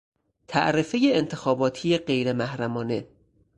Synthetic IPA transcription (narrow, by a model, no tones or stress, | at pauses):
t̪ʰæ̰ʔɾefejeːnt̪ʰe̞xɒːbɒːt̪ʰijeɢe̞jɾemæhɾæmɒːne̞